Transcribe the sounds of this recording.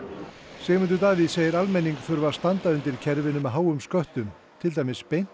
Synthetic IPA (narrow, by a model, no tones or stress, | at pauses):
sɛːɣmʏnt̪̬ʏt̪aːviðseːjɪɾalmejnːiŋkfʏɾvḁst̪ant̪aʏnt̪ɪɾ̥cʰɛɾvɪnʏmɦaːwʏmskœht̪ʏm | t̪ʰɪlt̪ajmɪspejn̥